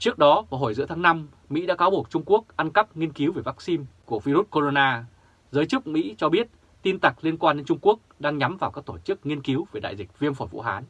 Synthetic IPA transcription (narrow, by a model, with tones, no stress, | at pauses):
t͡ɕɨ˦˥ək̚ɗɔ˨˦vaː˨˩ɦo˧˩jzɨ̰˧˥t̪ʰaː˨˦ŋna˧m | mḭ˧˥ɗa̰ː˧˥kaː˨˦wɓu˨˩ək̚t͡ɕʊ˧ŋ͡mku˦˥ək̚ʔa˧nkə˦˥p̚ŋi˧ənki˨˦wve˧˩vaː˦˥k̚si˧nku˧˩əvi˧ɾu˦˥t̚ko˧zo˧naː˧ | zəː˨˦jt͡ɕɨ˦˥k̚mḭ˧˥t͡ɕɔ˧ɓi˦˥ət̚ | t̪i˧nt̪a˨˩k̚li˧ənkwaː˧nɗe˨˦nt͡ɕʊ˧ŋ͡mku˦˥ək̚ɗaː˧ŋɲa˨˦mvaː˨˩wkaː˦˥k̚t̪o˧˩t͡ɕɨ˦˥k̚ŋi˧ənki˨˦wve˧˨˩ɗa̰ː˧˨zï˨˩k̟̚vi˧ənfɔ˧˩jvṵ˧˥ɦaː˨˦n